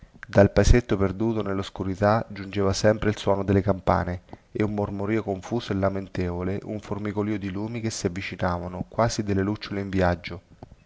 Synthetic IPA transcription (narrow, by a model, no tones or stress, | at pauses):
d̪alpaeset̪ːoperd̪uːt̪onelːoskuɾit̪ad͡ʒund͡ʒeːvasɛmpɾeilswɔːnod̪elːekampa̰ːneeumːormoɾiːokoɱfuːsoelːament̪ɛːvoleʔuɱformikoliːod̪iluːmik̟esːiavːit͡ʃinaːvanʊkwaːzid̪elːelut͡ʃːoleiɱvjad͡ʒːo